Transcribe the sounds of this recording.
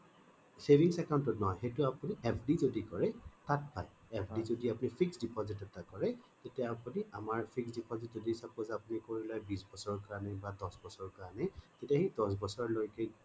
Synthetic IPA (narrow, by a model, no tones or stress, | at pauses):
sebʱiŋsɛkaw̃ntɔtnɔɦɔjxejtʊapuniʔɛpʰdizodikɔɹɛtat̚paj | ɛpʰdizodiapʊnipʰiksdipɔzitɛtakɔɹɛtetijaapuniʔamaɹpʰiksdipɔzitzodisab̚kɔzapunikoɹilajbisbɔsɔɹɔkaɹanɛbadɔsbɔsɔɹɔkaɹanɛtetiaxejdɔs̬bɔsɔɹɔlojkɛ